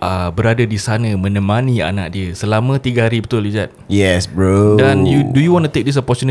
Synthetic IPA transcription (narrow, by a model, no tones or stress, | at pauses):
ʔəbəɾadadisanə̃mə̃nə̃mãnia̰na̰ʔ̚diəsəlamə̃t̪iɡaɦaɾibət̪ʊlid͡ʒat̪̚jɛsbɹodanjudujuwɔ̃ntut̪ek̚dis̬ɔpɔt͡ʃuni